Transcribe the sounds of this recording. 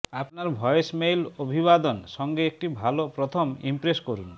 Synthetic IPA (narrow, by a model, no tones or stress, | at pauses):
apnaɾbʱɔjesmejlobʱiβad̪ɔnsɔŋɡeek̚ʈibʱalopɾɔt̪ʰɔmḭmpɾeskɔɾun